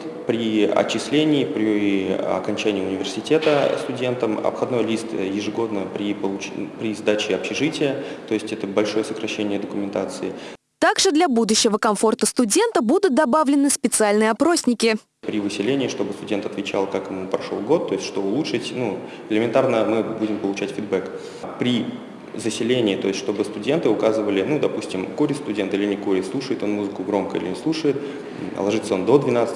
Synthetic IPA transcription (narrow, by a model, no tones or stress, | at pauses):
t̪ | pɾʲɪɐ̰t͡ɕːɪsʲlʲenʲɪːpɾʲɪɐ̰kɐnʲt͡ɕænʲɪːʊnʲɪvʲɪrsʲɪtʲe̞t̪əst̪ʊdʲe̞nt̪əmɐ̰pxɐd̪no̞jlʲist̪jɪʐɨɡo̞d̪nəpɾʲɪpəlˠʊpɾʲɪzd̪at͡ɕɪɐpɕɪʐɨtʲɪjət̪o̞ɪsʲtʲɛt̪əbɐlʲʂo̞jəsəkɾɐɕːenʲɪjəd̪əkʊmʲɪnt̪at̪sɨɪ | t̪aɡʐɨd̪lʲɐbud̪ʊɕːɪvəkɐmfo̞rt̪əst̪ʊdʲe̞nt̪əbud̪ʊt̪̚d̪ɐbavlʲɪnɨspʲɪt̪sɨalʲnɨjɐpɾo̞sʲnʲɪkʲɪ | pɾʲɪvɨsʲɪlʲenʲɪːʂt̪o̞bɨst̪ʊdʲe̞nt̪ɐt̪vʲɪt͡ɕa̰lˠkakɪmupɾɐʂolˠɡo̞t̪ːo̞ɪsʲtʲʂt̪oʊlˠuʂɨtʲnu | ɪlʲɪmʲɪnt̪arnəmɨbudʲɪmpəlˠʊt͡ɕætʲfʲɪd̪bɛk | pɾʲɪ | zəsʲɪlʲenʲɪːt̪o̞̰ɪsʲtʂt̪o̞bɨst̪ʊdʲe̞nt̪ɨʊkazɨvəlʲɪnud̪ɐpusʲtʲɪmkoɾʲɪst̪ʊdʲe̞nt̪ɨlʲɪnʲɪkoɾʲɪslˠuʂəjɪt̪o̞nmuzɨkʊɡɾo̞mkəḭlʲɪnʲɪslˠuʂəjɪt̪ | ə̰lˠɐʐɨt̪səond̪o̞d̪vʲɪnat̪s